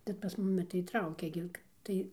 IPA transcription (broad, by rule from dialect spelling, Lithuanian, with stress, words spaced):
bʲɛt pɐs ˈmʊmʲɪ tɐɪ ˈtrɐʊkʲɛ ɡʲɪ ˈtɐɪ